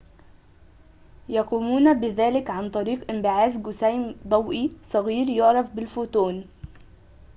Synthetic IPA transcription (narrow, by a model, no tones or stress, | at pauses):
jɑquːmuːnbɪðæːlɪkʕant̪ˤɑɾiːqʔɪmbɪʕaːzɡʊsæjmd̪ˤɑwʔisˤɑɣiːɾjʊʕɾˤɑfbɪlfuːt̪ˤuːn